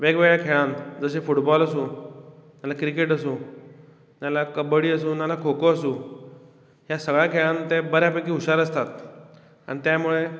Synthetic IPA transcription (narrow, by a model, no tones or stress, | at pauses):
ʋeɡʋeɭjakʰeɭãnt̪d͡zəɕ̬efuʈbɔləsũːjalakɾikeʈəsũː | jalakəbəɽiːəsũːnjalakʰokoəsũː | ɦjasəɡɭjakʰeɭãnt̪ebəɾjapekiːuɕaɾəst̪at̪ | a̰ɽ̃it̪jamuɭe